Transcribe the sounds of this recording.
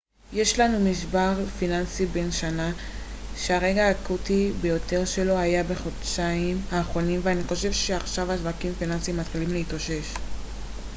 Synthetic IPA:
je̞ʃlanumiʃbaʁfinansibe̞nʃana | ʃeaʁe̞ɡaːkutibe̞jo̞te̞ʁʃe̞lo̞ajabe̞χodʃaimaːχʁo̞nimveaniχo̞ʃe̞vʃeaχʃavhaʃvakimfinansimat̪χilimleitoʃe̞ʃ

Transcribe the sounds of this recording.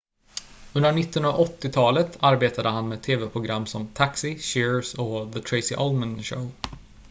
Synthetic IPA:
ɵnd̪əɳɪt̪ːəh̪naʔɔt̪ːɪt̪ʰɑːlət̪ʰaɾbeːt̪ʰad̪əhanmeːt̪ʰeːvɛpʰɾʊɡɾamːsɔmt̪ʰaksɪɕɪɹsɔðət̪ʰɾɛɪsɪʔɔlmənɕo̰ʊ

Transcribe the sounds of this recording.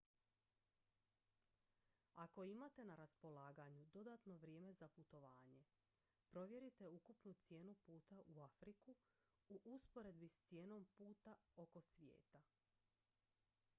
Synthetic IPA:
ako̞imat̪e̞naɾaspo̞laːɡaɲud̪o̞d̪at̪no̞ʋɾje̞ːme̞zaput̪o̞ʋaːɲe̞ | pɾo̞ʋje̞ɾit̪e̞ukupnut̪sje̞ːnupuːt̪aʔuafɾiku | uʔuspo̞ɾe̞d̪̚bist̪sje̞ːno̞mpuːt̪ao̞ko̞sʋje̞̰ːt̪a

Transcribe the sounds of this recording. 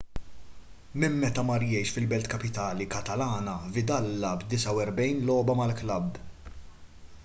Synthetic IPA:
mɪmːɛt̪ɐmɐɾjɛjʃfɪlbɛlt̪kɐpɪt̪ɐːlikɐt̪ɐlɐːnɐvɪd̪ɐlːɐbd̪ɪsɐwɛɾbɛjnlɔːbɐmɐlklɐbː

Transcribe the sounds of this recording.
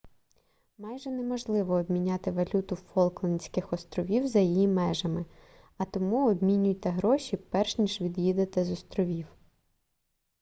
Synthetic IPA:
mɑjʒɛnɛmɔʒlˠɪʋɔːbmʲinʲɑt̪ɪʋɐlʲut̪ʊfɔlˠklˠɪnʲsʲkɪxɔst̪ɾɔʋʲiwzɐjijimɛʒɐmɪ | ɐt̪ɔmuɔbmʲinʲʊjt̪ɛɦɾɔʃʲipɛrʃnʲiʒʋʲid̪jid̪et̪ɛzɔst̪ɾɔʋʲiw

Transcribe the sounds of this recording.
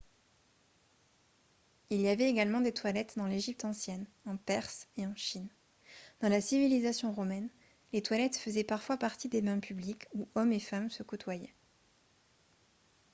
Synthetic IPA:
ilijavɛeɡalmɑ̃d̪et̪walɛt̪d̪ɑ̃leʒip̚t̪ɑ̃sjɛn | ɑ̃pɛʁseɑ̃ʃin | d̪̥ɑ̃lasivilizasjɔ̃ʁɔmɛn | let̪walɛt̪fəzɛpaʁfwapaʁt̪id̪emɛ̃pʰyblikuɔmefamsəkɔt̪wajɛ

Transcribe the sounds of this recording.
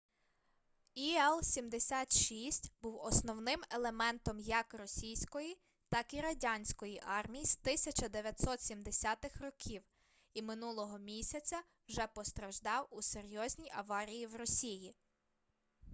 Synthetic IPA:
iɛlˠsʲimd̪esʲɑt̪ʃisʲtʲbuwɔsnɔwnɪmelˠemɛnt̪ɔmjɐkrɔsʲijsʲkɔji | t̪ɑkiɾɐdʲɑnʲsʲkɔjiʔɑrmʲijist̪ɪsʲɐt͡ʃɐd̪eʋʲjɐt̪ʲsɔt̪sʲimd̪esʲɑt̪ɪxrɔkʲʰiw | imɪnulˠɔɦɔmʲisʲɐt͡sʲɐ | wʒɛpɔst̪ɾɐʒd̪ɑwuseɾʲjɔzʲnʲijʔɐʋɑɾʲijiwrɔsʲiji

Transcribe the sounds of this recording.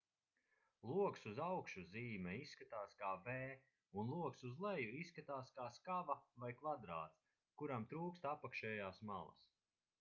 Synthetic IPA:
lˠuɔksuzawkʃuziːmɛisːkat̪aːskaːvɛː | unlˠuɔksuzlˠɛjuiskat̪aːskaːskavavajkvad̪ɾa̰ːt̪s | kuɾamt̪ɾuːkst̪apakʃɛːjaːsma̰lˠɐ̰s

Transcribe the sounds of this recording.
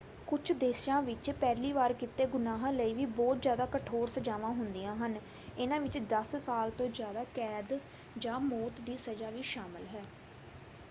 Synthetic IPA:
kʊt͡ʃʰd̪eːsjãːʋɪt͡ʃpɛːliːʋaːɾkɪt̪ːeːɡʊnaːɦãːləiːʋiːbɔːt̪zjaːd̪aːkəʈʰoːɾsəd͡ʒaːʋãːɦʊnd̪ijãːɦən | ɪnãːʋɪt͡ʃd̪əssaːlt̪õːd͡ʒjaːd̪aːkɛːd̪ | d͡ʒãːmoːt̪d̪iːsəd͡ʒaːʋiːʃaːməlɦɛː

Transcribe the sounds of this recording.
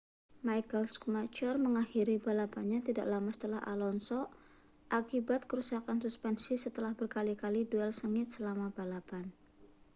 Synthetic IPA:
majkəlskumat͡ʃɔrməŋaxiɾibalapanɲat̪ida̰ʔlamasə̥t̪əlaha̰lɔnsɔ | ʔakibat̪̚kəɾusakansuspɛnsisət̪əlahbərkalikaliduɛlsəŋɪt̪̚səlamabalapan

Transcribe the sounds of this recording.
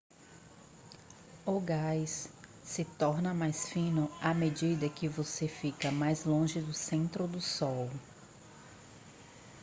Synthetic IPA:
oɡajs | sɪt̪ɔɾnɐmajsfĩnʊamed͡ʒid̪ɐkɪvosefikɐmajzlõʒɪd̪ʊsẽnt̪ɾʊd̪ʊsɔw

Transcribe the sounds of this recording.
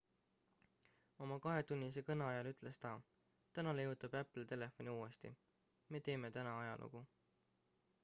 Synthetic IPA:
o̞mɑkɑɦe̞t̪unʲːise̞kɤnɑɑjɑlyt̪ˑle̞st̪ɑ | t̪ænɑlejut̪ˑɑb̥æpːˑlt̪e̞le̞fo̞nʲiuːe̞st̪ḭ | me̞ːt̪e̞ːme̞t̪ænɑɑjɑlʔṵɡ̥u

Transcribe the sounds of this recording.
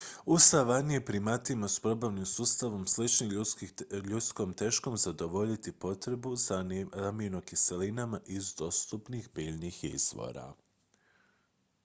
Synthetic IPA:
ust̪aʋanijepɾimat̪imaspɾo̞baʋnimsust̪aʋo̞mslit͡ʃni | ʎut̪sko̞ːmt̪e̞ʃko̞mzad̪o̞ʋo̞ʎit̪ipo̞t̪ɾe̞buzamino̞kise̞linamaʔizd̪o̞st̪upnixbiːʎnixḭz̥ʋo̰ɾa̰

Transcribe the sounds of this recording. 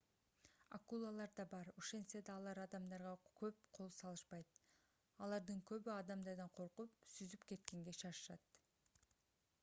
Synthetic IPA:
akulˠalˠɑɾd̪ɑbɑɾoʃe̞nsed̪ɑːlˠɑɾɑd̪ɑmd̪ɑɾʁɑkʰøp̚qʰo̞lˠsɑlˠɯʃpɑjt̪ | ɑlˠɑɾd̪ɯŋkø̞βyɑd̪ɑmd̪ɑɾd̪ɑɴqʰo̞ɾqup̚syzypke̞t̪ke̞ŋɡe̞ʃɑʃɯʃɑt̪

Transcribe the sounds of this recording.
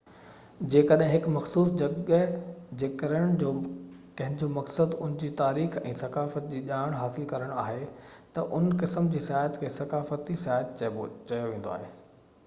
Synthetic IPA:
d͡ʑeːkəɗɦɪ̃ɦɪkmɐxsuːsd͡ʑɐɡəd͡ʑeːkəɾəɽ̃d͡ʑoːkɐ̃ɦɪ̃nd͡ʑoːmɐksəd̪ʊnɪ̃d͡ʑiːt̪aːɾiːxɛ̰̃ːsɐkaːfət̪̚d͡ʑiːʄaːɪɽ̃ɦaːsɪlkɐɾəɽ̃aːɦet̪ɐʔʊnkɪsəmd͡ʑiːsɪaːɦət̪kʰeːsɐkaːfət̪isɪaːɦət̪̚t͡ɕɐjoʋẽːn̆d̪o̰a̰ːɦeː

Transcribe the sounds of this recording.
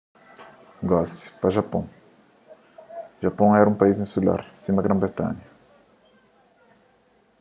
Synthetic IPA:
ɡɔsi̥pɾɐʒapɐ̰̃w̃ | ʒapõw̃ɛɾɐũpaizĩsula̰ɾsĩmɐɡɾɐ̃bɾet̪ɐ̰̃ɲɐ

